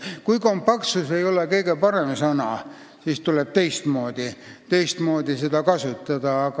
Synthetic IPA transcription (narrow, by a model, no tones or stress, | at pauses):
kujko̞mpːɑk̪suse̞jo̞lekɤ̞iɡ̥e̞pɑɾe̞msɑnɑ̰ | sist̪uleb̥̚t̪e̞jst̪mo̞ːd̪̥it̪e̞jst̪mo̞ːd̪̥ised̪ɑkɑsut̪ːˑɑd̪̥ɑɑk